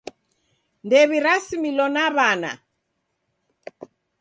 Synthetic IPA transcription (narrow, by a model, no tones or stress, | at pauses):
ndɛβiɾasimilɔnaβana̰